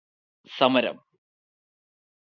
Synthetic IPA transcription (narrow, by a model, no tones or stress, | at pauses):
sɐmɐɾɐ̰m